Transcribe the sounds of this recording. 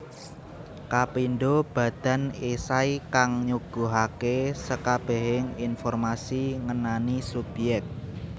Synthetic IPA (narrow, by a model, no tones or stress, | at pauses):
kapinɖob̥ä̤d̪̥a̤nesaikaŋɲuɡ̥o̤ɦakesəkab̥ɛ̤ɦɪŋinfɔrmasiŋənanisub̥jɛk̚t̪̚